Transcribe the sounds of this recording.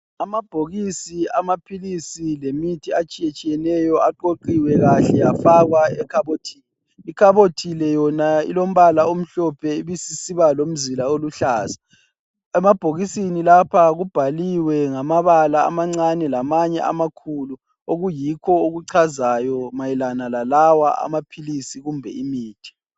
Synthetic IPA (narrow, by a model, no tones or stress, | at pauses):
amab̥ʱoɣisiamapʰilisilemitʰiat͡ʃʼijet͡ʃʼijɛnɛjɔaǃoǃiwɛɣaɬɛjafaɣwaɛkʰaβotʰiːlɛ | ikʰaβotʰilɛjɔnaḭlom̩βalaom̩ɬɔpʰɛiβisisiβalom̩zilaoluɬaːza | ɛmab̥ʱoɣisinilapʰaɣub̥ʱaliwɛŋamaβala̰ːmaŋ͡ǀanɛlamaɲɛ̰a̰makʰulu | oɣujikʰɔoɣuǀʰazajɔmajilanalalawa̰ʔa̰mapʰilisiɣumbʱɛ̰imiːtʰi̥